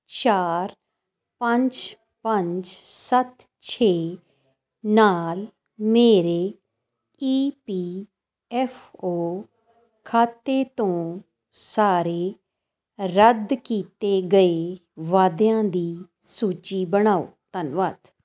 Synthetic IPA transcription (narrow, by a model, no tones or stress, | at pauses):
t͡ʃaːɾ | pəɲd͡ʒ | pəɲd͡ʒsət̪t͡ʃʰeː | naːl | meːɾeː | iːpiː | ɛfʰoː | kʰaːt̪ːeːt̪õː | saːɾeː | ɾəd̪kiːt̪eːɡəeːʋaːd̪jãːd̪iː | suːt͡ʃiːbəɽ̃aːo̰ːt̪ənʋaːd̪